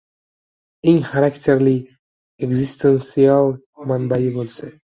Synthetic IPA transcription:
eŋʲχaɾaktʲʰeɾlʲi | eɡzist̪ensialˠ | manbajibolˠse

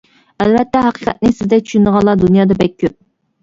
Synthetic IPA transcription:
ælvɛt̪ːɛɦɑqi̥qʰɛt̪̚nɪsɪzd̪ɛk̚ʲt͡ʃʰy̥ʃynd̪əʁɑlˠɑd̪unjɑːd̪ɑbɛkʲʰːøp̚

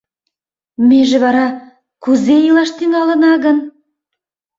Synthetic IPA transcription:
meʒɘ̆βɑɾɑ | kuzejilˠɑʃt̪inɑlˠə̆nɑɡə̆n

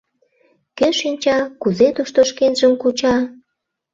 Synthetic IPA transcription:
keʃinʲt͡ɕɑkuzet̪uʃt̪oʃkenʒəmkut͡ɕɑ

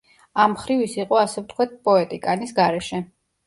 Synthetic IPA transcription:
amχɾivisiqʼɔasɛft̪ʰkʰwad̪̚pʼɔɛt̪ʼikʼanisɡaɾɛʃɛ

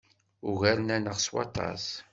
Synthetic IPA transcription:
uɣæɾnænəʁswɑ̰t̪ˤɑ̰s

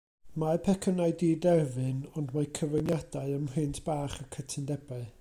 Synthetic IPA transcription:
mapʰɛkʰənaɨdiːdɛrvɨnɔndmakʰəvənjad̥aɨəmhɪntʰb̥aːχəkʰətʰɪndɛbaɨ

